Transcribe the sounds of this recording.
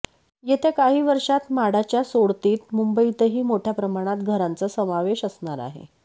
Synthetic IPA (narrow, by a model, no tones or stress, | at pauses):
jet̪ekaɦiːʋəɾʂat̪maɽat͡ɕjasoɽt̪iːt̪mumbəit̪əɦiːmoʈʰjapɾəmaɽ̃at̪ɡʱəɾant͡səsəmaʋeɕəsɳaɾa̰ɦḛ